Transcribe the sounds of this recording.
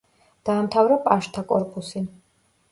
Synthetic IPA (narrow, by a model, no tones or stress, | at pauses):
d̪̥aːmt̪ʰavɾapʼaʃt̪ʰakʼɔɾpʼusi